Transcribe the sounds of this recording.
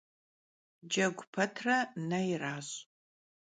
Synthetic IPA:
d͡ʒɐɡʷʊpʰɐtʰrɐnɐjraːɕʼ

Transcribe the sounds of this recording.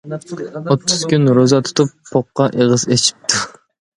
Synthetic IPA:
ot̪ʰːuz̥kʲynɾozɑt̪ʰu̥t̪ʰupʰːoqːɑʔeʁəzet͡ʃʰi̥p̚t̪ʰu

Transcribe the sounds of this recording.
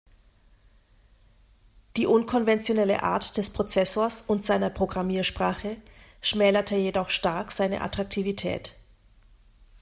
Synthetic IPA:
d̥iːʔʊnkʰɔnvɛnt͡sjonɛlə̰ʔa̰ːɐtd̥ɛspʁ̥ot͡sɛsoːɐsʊntz̥aɪnɐpʁ̥oɡʁamiːɐʃpʁ̥aːχəʃmɛːlɐtʰəjedɔχʃtaɐkz̥aɪnə̰ʔa̰tʁ̥ak̚tʰiːvitʰɛ̰ːt

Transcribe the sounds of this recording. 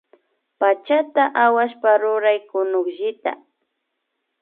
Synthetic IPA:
pat͡ʃat̪aʔawaʃpaɾʊɾajkʊnʊkʒɪt̪a̰

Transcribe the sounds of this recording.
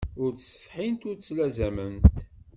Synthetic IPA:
ʊɾsə̥fħint̪ʊɾt͡sːlæzæmənt̪

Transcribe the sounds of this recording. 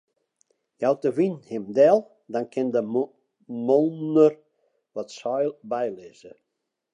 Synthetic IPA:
jawtəʋinhɪmdɛlˠ | dɔnkʰɪndə | molˠnər | ʋɔtsɔjlˠbɛjlɪːzə

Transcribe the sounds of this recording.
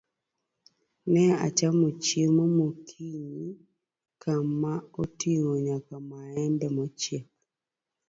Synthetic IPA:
nɛa̰t͡ʃamot͡ʃemomokʰiɲi | kamaotiŋoɲakamaɛndɛmɔt͡ʃjep̚

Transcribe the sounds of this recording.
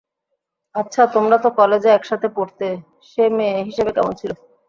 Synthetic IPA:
atːɕʰat̪omɾat̪okɔled͡ʑeɛkʃat̪ʰepoɾt̪e | ʃemeɦiʃebekɛmont͡ɕʰilo

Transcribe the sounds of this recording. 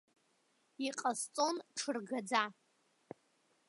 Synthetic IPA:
iqʼast͡sʼonʈ͡ʂʰɨrɡad͡za

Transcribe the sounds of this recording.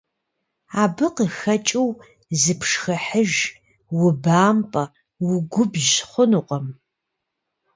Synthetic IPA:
aːbɨqəxɐt͡ʃʼɪw | zɨpʰʂxɐħəʒ | wʊbaːmpʼɐ | wʊɡʷʊbʒχʷʊnuqʼɐm

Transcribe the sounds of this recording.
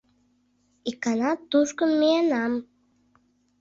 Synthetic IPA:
ikɑnɑt̪ːuʃkəmːienɑm

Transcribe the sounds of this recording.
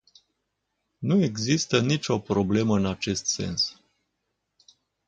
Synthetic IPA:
nue̞ɡzist̪ənit͡ʃʲo̞pɾo̞ble̞məɨnat͡ʃe̞st̪se̞̰ns

